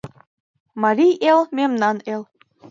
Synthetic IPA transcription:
mɑɾʲijelmʲemnɑnelˠ

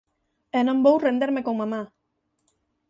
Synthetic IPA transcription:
enombowrend̪eɾmekomama

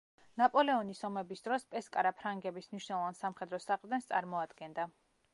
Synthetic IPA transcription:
napʼɔlɛɔnisɔmɛbisd̪ɾɔspʼɛskʼaɾapʰɾaŋɡɛbismniʃnɛlˠɔvansamχɛd̪ɾɔsaχʼvd̪ɛnst̪sʼa̰ɾmɔad̪̥ɡɛnd̪a

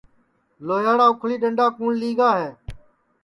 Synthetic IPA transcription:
loːjaːɽaːʊkʰliːɗəɳɖaːkuːɳliːɡaːɦeː

